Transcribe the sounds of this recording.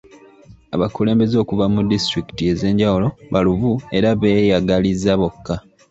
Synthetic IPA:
a̰βakule̞ːmbe̞zo̞ːkuvamudistɾiki̥tie̞ze̞ːɲɟawulo̞βaluvue̞ɾaβeːjaɡalizaβo̞kːa

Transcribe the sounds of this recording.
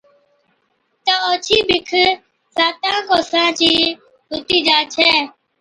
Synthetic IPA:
t̪aːoːt͡ʃʰiːbɪkʰ | saːt̪ãːkoːsɾãːt͡ʃiː | ɦʊt̪iːd͡ʒaːt͡ʃʰɛː

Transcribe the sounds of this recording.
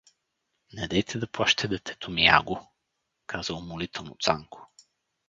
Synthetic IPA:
nɛd̪ɛjt̪ʰɛd̪ɐpwˠaʃt̪ʰɛd̪ɛt̪ʰɛ̥t̪ʰomia̰ɡʊ | kʰazəmolit̪ɛlˠnot̪saŋkʊ̥

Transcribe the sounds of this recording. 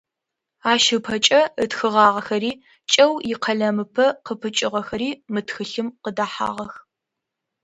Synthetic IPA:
aːʃɨpʰɐt͡ʃʼɐətxɨʁɑːʁɐxɐɾiː | t͡ʃʼɐwjɪqʰɐɮɐmɨpʰɐqəpʰɨt͡ʃʼɪʁɐxɐɾiːmɨtxɨɬɨmqədaːħa̰ːʁɐx

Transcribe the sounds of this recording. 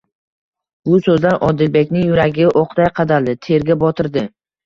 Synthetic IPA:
bʊsɵzlaɾɒd̪ɪlbe̞kʲnɪŋjʊɾaɡʲɪʔoqd̪ajqʰɑd̪ald̪ɪt̪ʰe̞ɾɡʲabɒt̪ʰɪɾd̪ɪ

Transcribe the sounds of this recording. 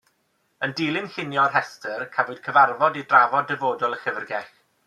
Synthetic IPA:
əndiːlˠɪnɬɪnjɔrɦɛstʰərkʰavʊɨd̥̚kʰəvarvɔdidravɔdɛvoːdʊlˠəxəvrɡɛx

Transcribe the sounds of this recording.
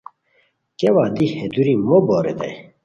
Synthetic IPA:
kewaːd̪ihɛd̪uɾimobɔɾḛd̪ɛ̰j

